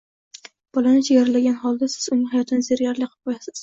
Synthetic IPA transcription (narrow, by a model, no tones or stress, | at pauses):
b̥ɒlanɪt͡ʃʰajaɾalaɡʲanhɒlˠd̪asɪ̥z̥ʊnɪŋhajɒt̪ʰɪnɪzeɾɡʲaɾlɪqʰɨ̥p̚qʰojasɪz̥